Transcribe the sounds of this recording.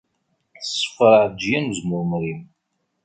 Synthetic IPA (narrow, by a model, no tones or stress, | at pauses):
θsːə̥fəɾˤəʕd͡ʒjænzmʊɾmɾim